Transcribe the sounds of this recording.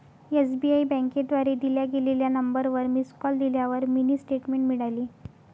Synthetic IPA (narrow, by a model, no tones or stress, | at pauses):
esbiaibɛ̃ŋked̪ʋaɾed̪iljaɡeleljanəmbəɾʋəɾmiskɔld̪iljaʋəɾminiːsʈeʈmeɳʈmiɽaliː